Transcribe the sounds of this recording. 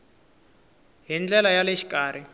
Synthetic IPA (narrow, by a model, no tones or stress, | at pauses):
ɦind͡ɮɛlajaleʃi̥kaːr̤ʔi